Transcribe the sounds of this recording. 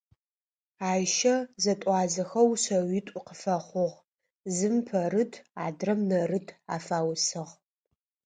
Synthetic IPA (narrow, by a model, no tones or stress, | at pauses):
aːjʃɐzɐtʷʼɑːzɐxɐwɕɐwɪtʷʼʊqəfɐχʷʊʁ | zɨmpʰɐrɨtʰaːdrɐmnɐrɨtʰa̰ːfaːwsɨʁ